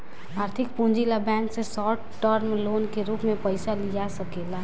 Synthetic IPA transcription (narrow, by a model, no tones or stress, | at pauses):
aːɾt̪ʰɪk̚pũnd͡ʒilabɛ̃ːnksesɔːʈʈəɾmloːnkeɾuːpmẽpəɪsalijasəkeːla